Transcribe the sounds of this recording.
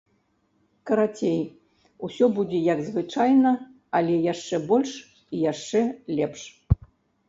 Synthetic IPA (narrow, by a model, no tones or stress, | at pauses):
kɐɾat͡sʲej | usʲɔbud͡zʲɛjɐɡzvɨt͡ʂajnɐ | ɐlʲɛjaʂt͡ʂɛbɔlʲʂ | ijaʂt͡ʂɛlʲɛpʂ